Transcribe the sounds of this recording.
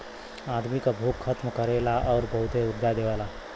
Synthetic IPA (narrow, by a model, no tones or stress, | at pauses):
aːd̪mikabʱuːkxʰət̪mkəɾelaʔɔːɾbɐɦʊt̪ɦeʊd̪ʱːad̪eːʋaːlaː